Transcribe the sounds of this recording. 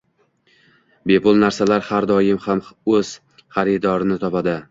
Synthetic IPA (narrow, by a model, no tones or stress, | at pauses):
be̞pʊlˠnaɾsalaɾhaɾd̪ɒjɪmhamɵz̥ | χaɾɪd̪ɒɾɪnɪt̪ʰɒpad̪ɪ